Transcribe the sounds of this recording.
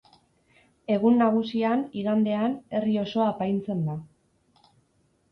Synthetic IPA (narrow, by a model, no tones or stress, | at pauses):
e̞ɣunːaɣ̞usianiɣand̪e̞ane̞rio̞so̞apajnt͡se̞nd̪a